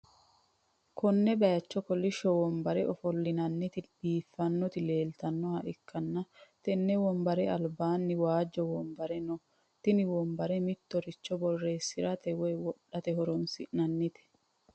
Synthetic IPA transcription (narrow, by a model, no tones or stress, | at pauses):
kɔnːɛbɐjɐt͡ʃːɔkɔlɪʃɔwɔmbɐɾɛʔɔfɔlːɪnɐnːɪt̪ɪb̥iːfːɐnːɔt̪ɪle̞ːlt̪ɐnːɔhɐʔɪkʰːɐnːɐt̪ɛnːɛwɔmbɐɾɛɐlbaːnːɪwaːd͡ʒːɔwɔmbɐɾɛnɔ | t̪ɪnɪwɔmbɐɾɛmɪt̪ːɔɾɪt͡ʃːɔbɔrːe̞ːsːɪɾɐt̪ɛwɛjwɔɗːɐt̪ɛɦɔɾɔnsɪ̰ʔnɐnːɪt̪ɪ̥